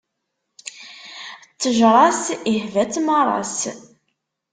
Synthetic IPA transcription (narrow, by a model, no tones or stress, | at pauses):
t͡sːəʒɾˤɑsihvæt͡sːmɑrˤɑ̰s